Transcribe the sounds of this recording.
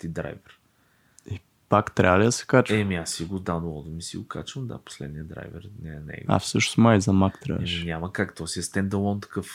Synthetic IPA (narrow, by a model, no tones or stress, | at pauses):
t̪id̪ɾa̰jvɛɾ | i | pakt̪ɾalid̪ɐsɛ̥kat͡ʃɛmiasiɡʊd̪anwˠɔd̪omisḭɡʊka̰t͡ʃvəmd̪a̰po̥slɛd̪nijəd̪ɾa̰jvɛ̰ɾnɛnɛ̰ɡa̰fsət͡ʃno̥smajizɐmakt̪ɾa̰ɛminʲaməkakt̪ɔsiɛst̪ɛnd̪ɐlˠɔnt̪ɐ̥kɤf